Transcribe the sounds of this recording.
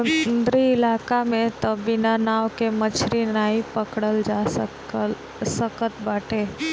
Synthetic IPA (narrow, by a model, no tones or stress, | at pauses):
nd̪ɾiɪlaːkamẽt̪ɔbɪnanaːʋkemət͡ʃʰɾinaːipəkɽəld͡ʒas | səkət̪baːʈʰeː